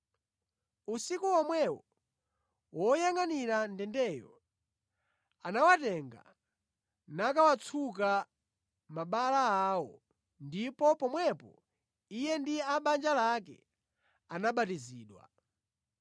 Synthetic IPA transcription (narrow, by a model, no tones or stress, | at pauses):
usikuɔmwɛwɔ | wʔɔjaŋaniɾandɛndɛjɔ̰ | anawatɛŋɡa̰ | nakawat͡sʰuk̬a | maɓalaawɔ | ndipɔpɔmwɛpɔ̰ | ijɛndiaɓand͡ʒalakɛ̰ | anaɓatiziːɗwa̰